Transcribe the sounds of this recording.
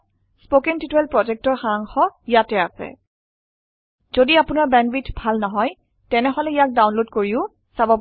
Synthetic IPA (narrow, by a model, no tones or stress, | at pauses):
spokɛntitɛlpɹɔd͡ʒɛk̚tɔɹxaŋxɔijatɛasɛ̰ | z̥odiapʊnaɹbɛnbitbʱalnɔɦɔj | tɛnɛɦɔlɛijak̚dawnlodkoɹiʊ | sabɔb